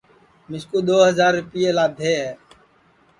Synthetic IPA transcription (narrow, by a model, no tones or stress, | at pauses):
mɪskuːd̪oːɦəzaːɾːʊpɪjeːlaːd̪ʱeːɦɛː